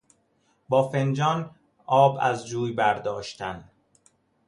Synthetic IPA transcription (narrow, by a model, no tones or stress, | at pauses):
bɒːfend͡ʒɒːn | ɒːbæ̰zd͡ʒuːjbæɾd̪ɒːʃt̪ʰænd̪